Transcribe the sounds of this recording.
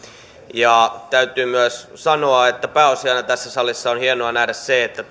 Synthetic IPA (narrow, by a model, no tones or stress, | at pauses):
jɑt̪æyt̪yːmyæssɑnoɑet̪ːæpæːosiɑinɑt̪æsːæsɑlːˑisːɑonhienoɑnæhdæsseet̪ːæ